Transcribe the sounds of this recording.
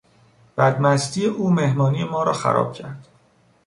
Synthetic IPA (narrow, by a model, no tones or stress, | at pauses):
b̥æd̪mæst̪iːjeʔuːmehmɒːniːjemɒːɾɒːxæ̰ɾɒ̰ːb̥̚cʰæɾd̪̥